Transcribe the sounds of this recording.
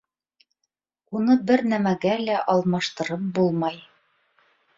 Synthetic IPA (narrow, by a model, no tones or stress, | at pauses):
unɤbɘɾnæmæɡælæʔɒlˠmɑʃt̪ɤ̆ɾɤp̚bulˠmɑj